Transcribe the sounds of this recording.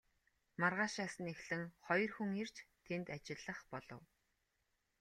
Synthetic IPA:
marʁaːʃaːsə̆nexɮɘ̆ŋχɔjɞ̆rxuŋer̥t͡ɕt̪ʰent̪at͡ɕɪ̆ɮːə̆χpɔɮɞ̰̆w

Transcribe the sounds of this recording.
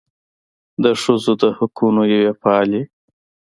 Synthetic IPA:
d̪əʂəzod̪əhʊkunojawefɑle

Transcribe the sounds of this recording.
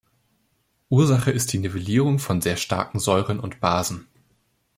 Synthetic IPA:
ʔuːɐzaχəɪst̚d̥iːneveliːʁ̞ʊŋfɔnzeːɐʃta̰ɐkŋ̩zɔʏʁənʊntb̥aːzn̩

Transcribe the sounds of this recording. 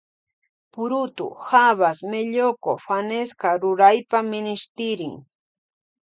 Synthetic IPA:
pʊɾʊt̪ʊ̰haβasmeʎoko̰faneskaɾʊɾajpamɪnɪʃt̪ɪɾɪŋ

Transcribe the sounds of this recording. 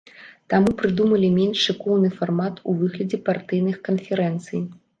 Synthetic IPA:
t̪amupɾɨd̪umɐlʲimʲenʂɨkɔwnɨfarmat̪uvɨɣlʲɐd͡zʲɛpart̪ɨjnɨxkɐnfʲɛɾɛnt̪sɨj

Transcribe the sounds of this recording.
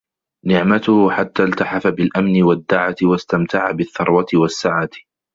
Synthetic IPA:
nɪʕmat̪ʊhħat̪ːaːlt̪aħafabɪlʔamnɪwad̪ːaʕat̪ɪwast̪amt̪aʕabɪθːɑɾˤwat̪ɪwasːaʕaːt̪

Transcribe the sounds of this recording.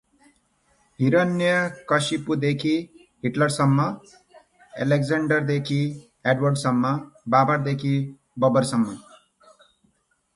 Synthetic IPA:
ɦiɾʌnjʌkʌsipud̪ekʰi | ɦiʈlʌɽsʌmːʌ | ḛleɡd͡zaɳɖʌɾd̪ekʰi | eɖwʌrɖsʌmːʌbabaɾd̪ekʰi | bʌbʌɾsʌmːʌ

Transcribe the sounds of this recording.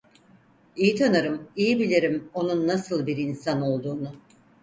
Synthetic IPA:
ijit̪ʰanaɾɯmijibilʲeɾimo̞nunːasɯlˠbiɾinsano̞lˠd̪uːnʊ

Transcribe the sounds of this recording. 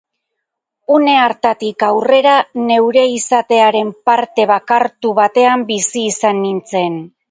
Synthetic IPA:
une̞aɾt̪at̪ikawre̞ɾane̞wɾe̞isat̪e̞aɾe̞mpaɾt̪e̞βakaɾt̪uβat̪e̞ambisiːsanːint͡se̞n

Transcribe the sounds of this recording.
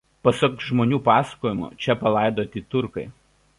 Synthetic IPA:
pɐsɐkʒmoːnʲuːpɑːsɐ̥koːjɪmʊ̰t͡ʃʲɛpɐlˠɐˑɪd̪oːt̪ʲɪt̪ʊɾkɐɪ

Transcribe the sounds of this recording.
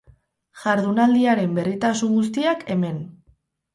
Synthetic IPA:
ʝaɾðunald̪iaɾe̞mbe̞rit̪asuŋɡus̬t̪iakʰe̞me̞n

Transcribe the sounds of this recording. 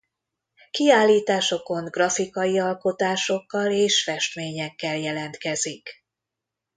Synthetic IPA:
kiaːlːiːt̪aːʃo̞ko̞ŋɡrɒfikɒjiɒlko̞t̪aːʃo̞kːɒleːʃfɛʃt̪meːɲɛkːɛljɛlɛnt̪kɛzik

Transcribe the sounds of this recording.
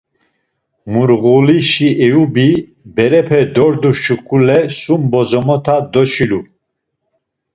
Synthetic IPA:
muɾɣuliʃiɛubi | bɛɾɛpʰɛd̪ɔɾd̪uʃukʰʼulɛsumbɔzɔmɔt̪ʰad̪ɔʃilu

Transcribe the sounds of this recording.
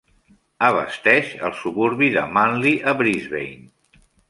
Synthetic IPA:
əβə̰st̪ɛʃə̰lˠsuβuɾβiðə̰manliʔəβɾizβḛjn

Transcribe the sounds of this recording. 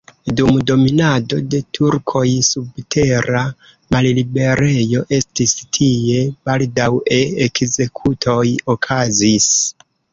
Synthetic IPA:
dumdo̞minado̞de̞tʰuɾkʰo̞jsubtʰe̞ɾa | mallibe̞ɾe̞jo̞ʔe̞stistʰie̞baldawe̞ekze̞kʰutʰo̞jokʰazis

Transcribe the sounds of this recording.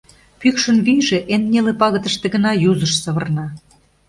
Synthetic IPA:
pykʃə̆nβyjʒeʔenːʲelĕpɑɣə̆t̪ə̆ʃt̪ĕɣə̆nɑjuzə̆ʃsɤ̆βə̆rnɑ

